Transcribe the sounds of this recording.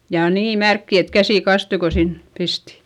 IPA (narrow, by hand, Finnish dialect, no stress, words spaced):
jɑ niː mærkːi et kæsiˑ kɑstui ko sin pisti